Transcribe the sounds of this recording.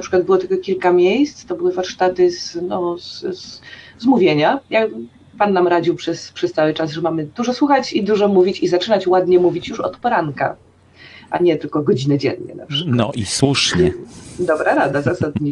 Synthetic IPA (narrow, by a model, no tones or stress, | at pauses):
napʂɘkwad̪̚bɘwɔt̪ɘlkɔkʲilkamʲjejst̪st̪ɔbɘwɘvaɾʂt̪at̪ɘznɔzzzmuvʲjeɲaja | panːamɾad͡ʑiwpʂɛspʂɛst̪sawɘt͡ʂasʐɛmamɘd̪uʐɔswuxat͡ɕid̪uʐɔmuvʲit͡ɕizat͡ʂɘnat͡ɕwad̪ɲɛmuvʲit͡ɕjuʂɔ̰t̪pɔɾanka̰ | ʔa̰ɲɛt̪ɘlkɔɡɔd͡ʑinɘd͡ʑɛ̰nɲɛ̰na̰pʂɘ̥knɔ̰ʔiswuʂɲɛd̪ɔbɾaɾad̪azasad̪̚ɲi